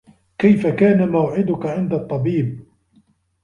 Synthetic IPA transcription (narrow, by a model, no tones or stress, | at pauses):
kajfakaːnamawʕɪd̪ʊkaʕɪnd̪at̪ˤːɑbiːb̚